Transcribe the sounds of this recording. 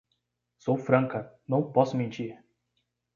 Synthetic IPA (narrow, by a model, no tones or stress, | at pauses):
sowfɾɐ̃ŋkɐnɐ̃w̃pɔsʊmẽnt͡ʃiɾ